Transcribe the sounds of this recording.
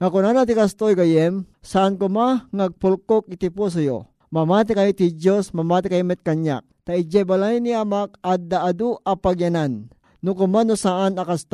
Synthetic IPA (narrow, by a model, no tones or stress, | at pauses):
ŋakʊnanat̪ikast̪ojɡajɛmsaʔankʊmaŋaɡ̚pʊlkok̚ɪt̪ipos̬ajo̰ | mamaːt̪̬ɪkajit̪hid͡ʒosmamaːt̪ɪkajomɛt̪̚kaɲja̰k̚t̪aɪd͡ʒabalajniamak̚ad̪aʔad̪uʔapaɡjɐnanː | ʊkʊmanosaʔanakast̪